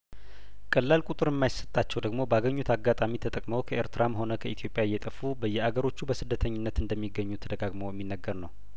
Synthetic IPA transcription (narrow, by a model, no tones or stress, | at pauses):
kʼəlːalkʼut̪ʼɨɾjɛmːajisə̥t̪ʼːat͡ʃːɛwd̪əɡmo̞bəaɡəɲːut̪ʰaɡːat̪ʼamit̪ʰət̪ʼəkʼməwkʰəeɾt̪ɨɾamɦo̞nəkʰəʔit̪ʰijo̞pʼjajːɛt̪ʼəfubəjːɛaɡəɾo̞t͡ʃːubəsɨd̪ːət̪ʰəɲːɪnːət̪ɨnd̪əmːiɡːəɲːut̪ʰəd̪əɡaɡmojɛmːinːəɡːəɾnəw